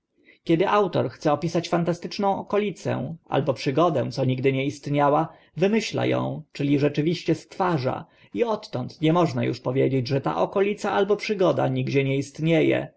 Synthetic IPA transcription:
kʲɛd̪ɘʔawt̪ɔɾxt̪sɛɔpʲisat͡ɕfant̪ast̪ɘt͡ʂnɔ̃w̃ɔkɔlʲit̪sɛ̰̃ʔa̰lbɔpʂɘɡɔd̪ɛ̃t̪sɔɲiɡd̪ɘɲɛist̪ɲawa | vɘmɘɕla̰jɔ̰̃w̃t͡ʂɘlʲiʐɛt͡ʂɘvʲiɕt͡ɕɛst̪faʐa̰ | iɔt̪ːɔnt̪ɲɛmɔʐnajṵʂpɔvʲjed͡ʑed͡ʑʐɛt̪a̰ʔɔkɔlʲit̪saʔalbɔpʂɘɡɔd̪a̰ɲiɡd͡ʑɛɲɛist̪ɲejɛ̰

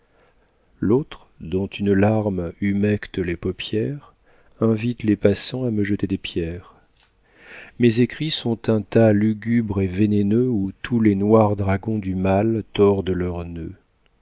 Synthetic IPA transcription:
lot̪χ | d̪ɔ̃t̪ʰynlaʁmymɛkt̪əlepɔpjɛʁ | ɛ̃vit̪lepasɑ̃aməʒət̪ed̪epjɛʁ | mezekχisɔ̃t̪ɛ̃t̪alyɡʲybʁevenenøut̪ʰulenwaʁd̪ʁaɡɔ̃d̪ymalt̪ɔʁd̪əlœʁnø

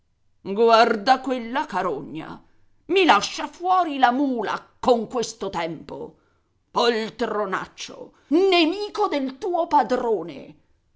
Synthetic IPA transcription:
ɡward̪akwelːakaɾoɲːa̰ | milaʃːafwɔːɾilamuːla̰koŋkwest̪ot̪ɛmpo̰ | poilt̪ɾona̰t͡ʃːo̰ | nemiːkod̪elt̪uːopad̪ɾoːnḛ

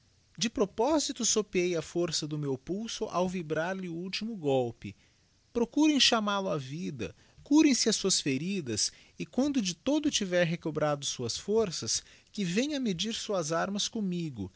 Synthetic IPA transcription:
d͡ʒɪpɾopɔzit̪ʊsopiejɐfoɾsɐd̪ʊmewpuwsʊʔawvibɾaɾlɪʊuwt͡ʃimʊɡɔwpɪ̰ | pɾokuɾẽj̃ʃamalʊavid̪ɐ̰ | kuɾẽj̃sɪɐsuɐsfeɾid̪ɐs | ɪkwɐ̃nd̪ʊd͡ʒɪt̪od̪ʊt͡ʃivɛɾɦekobɾad̪ʊsuɐsfoɾsɐskɪvẽj̃ɐmed͡ʒiɾsuɐzaɾmɐskõmiɡʊ̰

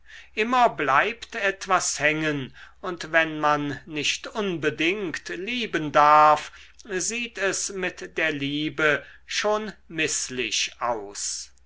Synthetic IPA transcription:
ʔɪmɐblaɪptɛtv̥ashɛŋənʊntvɛnmanːɪʃtʔʊnbədɪŋktliːbəndaɐfziːtɛsmɪtd̥eːɐliːbə | ʃoːnmɪslɪʃʔaʊs

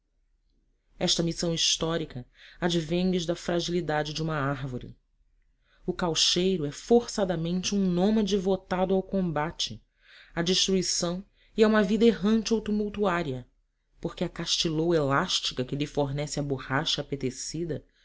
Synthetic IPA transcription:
ɛʃt̪ɐmisɐ̃w̃iʃt̪ɔɾikɐad͡ʒivẽj̃lɪʒd̪ɐfɾaʒilid̪ad͡ʒɪd͡ʒɪũmɐaɾvoɾɪ̰ | ʊkawʃejɾʊɛfoɾsad̪ɐmẽnt͡ʃɪũnõmɐd͡ʒivot̪ad̪ʊawkõmbat͡ʃɪ | ad͡ʒiʃt̪ɾuisɐ̃w̃ | iaũmɐvid̪ɐeɦɐ̃nt͡ʃɪowt̪umuwt̪uaɾiɐ | poɾkɪɐkaʃt͡ʃilowelaʃt͡ʃi̥kɐkɪlɪfoɾnɛsɪɐbuhaʃɐːpet̪esid̪ɐ

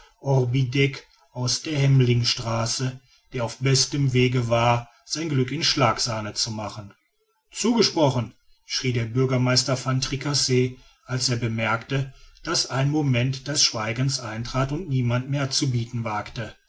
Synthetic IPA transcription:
ʔɔʁbidɛk | ʔaʊsd̥eːɐhɛmlɪŋʃtʁ̥aːsə | d̥eːɐaʊfb̥ɛstəmveːɡəvaːɐ | z̥aɪnɡlʏkɪnʃlaːkz̥aːnət͡sumaχən | t͡suːɡəʃpʁ̥ɔχən̩ | ʃʁ̥iːdeːɐbʏɐɡɐmaɪstɐfantʁ̥ikʰaseː | ʔalseːɐbəmɛɐktəd̥asaɪnmomɛntd̥ɛsʃv̥aɪɡən̩sʔaɪntʁ̥aːtʊntniːmantmeːɐt͡subiːtn̩vaːktə

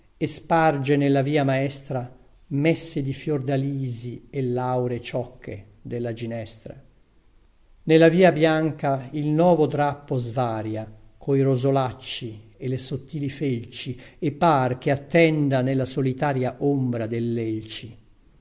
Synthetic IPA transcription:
espard͡ʒenelːaviːamaɛst̪ɾa | mɛsːed̪ifjord̪aliːzielːawɾet͡ʃɔkʰːḛ | d̪elːad͡ʒinɛst̪ɾa̰ | nelːaviːabjaŋkailnwɔːvod̪ɾapːozvaːɾjakʰoiɾozolat͡ʃːielesot̪ːiːlifelt͡ʃiepːark̟eat̪ːɛnd̪anelːasolit̪aːɾjaʔombɾad̪elːelt͡ʃi

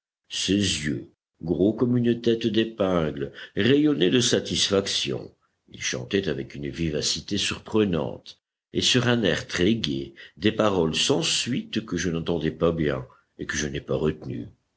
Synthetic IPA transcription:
sezjø | ɡʁokɔmynət̪ɛt̪d̪epɛ̃ɡlʁejɔned̪əsat̪isfaksjɔ̰̃ | ḭlʃɑ̰̃t̪ɛt̪avɛkynvivasit̪esyʁpχənɑ̰̃t̪ | esyʁɛ̃nɛʁt̪χeɡed̪epaʁɔlsɑ̃sɥit̪kəʒənɑ̃t̪ɑ̃d̪ɛpabjɛ̰̃ | ekəʒənɛpaʁət̪ny̰

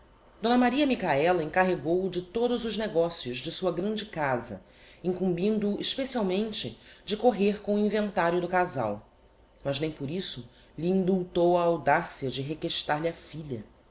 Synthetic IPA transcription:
d̪õnɐmaɾiɐmikaɛlɐẽŋkaɦeɡowd͡ʒɪt̪od̪ʊzʊʒneɡɔsijʊʒd͡ʒɪsuɐɡɾɐ̃d͡ʒɪkazɐ̰ | ĩŋkũmbĩnd̪ʊːʔiʃpesiawmẽnt͡ʃɪd͡ʒɪkoɦeɾkõʊĩvẽnt̪aɾjʊd̪ʊkaza̰w | mɐznẽj̃pʊɾisʊ | ʎiĩnd̪uwt̪owɐawd̪asiɐd͡ʒɪɦekeʃt̪aɾlʲɐfiʎɐ

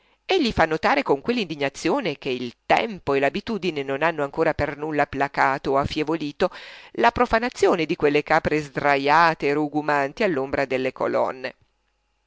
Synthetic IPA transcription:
eʎːifanːot̪aːɾekoŋkwelːind̪iɲːat̪sːjoːnek̟eilt̪ɛ̰mpoelabit̪uːd̪inenonanːoaŋkoːɾapernulːapːlakaːt̪oafːjevoliːt̪olapɾofanat̪sːjoːned̪ikwelːekaːpɾezd̪ɾajaːt̪eːruɡumant̪ialːombɾad̪elːeko̰lɔ̰nːe

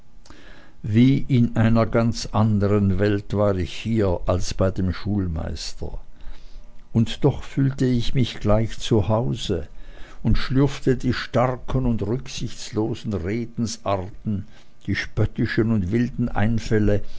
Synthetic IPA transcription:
viːʔɪnʔaɪnɐɡant͡sʔandəʁənvɛltv̥aːʁɪçhiːɐʔalsb̥aɪdeːmʃuːlma̰ɪstʰɐ̰ | ʊntd̥ɔχfyːltəɪçmɪçɡ̥laɪçt͡suhaʊzəʊntʃlʏɐftədiːʃtaʁkʰənʊndʁʏksɪçt͡sloːzn̩ʁeːdn̩sʔaɐtn̩ | d̥iːʃpœtɪʃənʊntvɪldn̩ʔa̰ɪnfɛlə

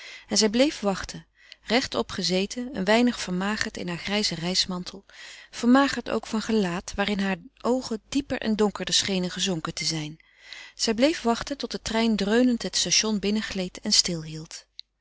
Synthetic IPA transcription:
ɛnzɛjblejfʋɑχtʰə | rɛχtɔpχəzejtʰəə̰nʋɛjnəχfəɹmaːχəɹtɪ̰nɦaːɹχrɛjzərɛjsmɑntʰəl̩ˠv̥əɹmaːχəɹto̰wkfɑnχəlaːtʋaːrɪnɦaːɹʔowχədipəɹʔɛ̰ndɔŋkəɹdəsχejnənχəzɔŋkətəzɛjn | z̥ɛjblejfʋɑχtətɔtdətrɛjndrøɥnəntɦətstaːʃɔnbɪnəχlejtʰɛnstɪlˠɦilˠt

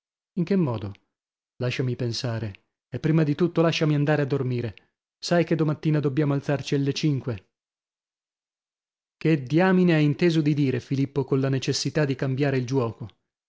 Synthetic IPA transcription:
iŋkemːɔːd̪o | laʃːamipensaːɾe | epːɾiːmad̪it̪ut̪ːolaʃːamiand̪aːɾead̪ːormiːɾe | sajked̪ːomat̪ːiːnad̪obːjaːmoalt̪sart͡ʃialːet͡ʃiŋkwe | ked̪jaːmineɛint̪eːzod̪id̪iːɾefilipːokonlanet͡ʃesːit̪ad̪ːikambjaːɾeild͡ʒwɔːko

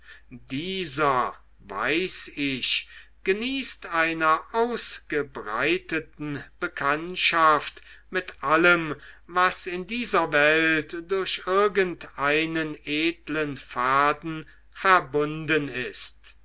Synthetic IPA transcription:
diːzɐ | va̰ɪsɪʃɡ̥əniːstaɪnɐʔaʊsɡ̥əbʁa̰ɪtətn̩b̥əkʰantʃaft | mɪtʔaləmvasɪndiːzɐvɛltd̥ʊɐɕʔɪɐɡəntʔaɪnənʔeːtlənfaːdn̩ | fɛɐbʊndənɪst

